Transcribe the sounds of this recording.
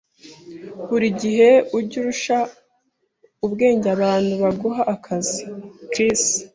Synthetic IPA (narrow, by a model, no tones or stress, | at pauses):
βuɾiɟiɦe̞uɾɟuɾuʃa | ubɡe̞ːɲɟaβaːnhuβaɡoɦaʔːkʰazikɾis